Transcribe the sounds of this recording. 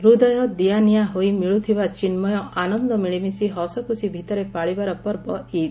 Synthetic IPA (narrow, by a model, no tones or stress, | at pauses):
ɾud̪ajɔd̪ijanijaɦojmiɭut̪ʰibat͡ʃinmɔjɔʔanɔnd̪ɔmiɭimisiɦɔsɔkusibʱit̪ɔɾepaɭibaɾɔpɔɾbɔid̪